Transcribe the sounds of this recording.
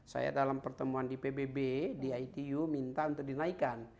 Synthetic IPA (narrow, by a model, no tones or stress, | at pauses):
sa̰ja̰dalampərt̪əmuandipebebediajit̪ijumint̪aunt̪ʊk̚dinaikan